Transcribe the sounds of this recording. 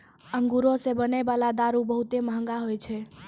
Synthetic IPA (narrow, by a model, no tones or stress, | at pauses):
əŋɡuɾosebəneʋalad̪aɾubəɦut̪emãŋɡaɦojt͡ʃʰe